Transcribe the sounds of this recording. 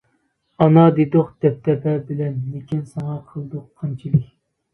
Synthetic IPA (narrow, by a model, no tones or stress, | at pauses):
ɑnɑd̪ed̪ʊqd̪ɛp̚t̪ʰɛpʰɛbɪlɛnlekʲinsɑŋɑqʰəlˠd̪ʊqʰːɑnt͡ʃʰilˠɨkʲ